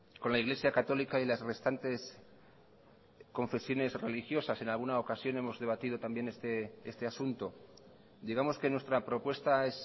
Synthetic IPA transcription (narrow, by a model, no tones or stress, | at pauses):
ko̞nlaiɣle̞sjakat̪o̞likailazre̞st̪ant̪e̞s | ko̞ɱfe̞sjo̞ne̞sre̞lixjo̞sase̞nalɣunaokasjo̞ne̞mo̞zðe̞βat̪ið̞o̞t̪ambje̞ne̞st̪eest̪e̞asunt̪o̞ | d̪iɣ̞amo̞ske̞nwe̞st̪ɾapɾo̞pwe̞st̪ae̞s